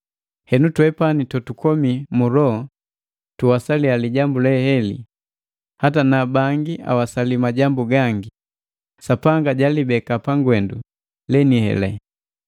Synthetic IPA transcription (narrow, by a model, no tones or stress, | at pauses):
hɛnutwɛpanitɔtukɔmimuɾɔ | tuwasalialiɟambulɛhɛlḭ | hatanabaŋɡia̰wasalimaɟambuɡaŋɡi | sapaŋɡaɟalibɛkapaŋɡwɛndu | lɛnihɛ̰lɛ̰